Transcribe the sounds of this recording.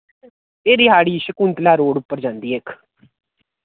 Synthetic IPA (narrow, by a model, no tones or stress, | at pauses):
eːɾiːɦaːɽiːʃəkunt̪laːɾoːɽʊpːəɾd͡ʒãːnd̪iːeːkʰ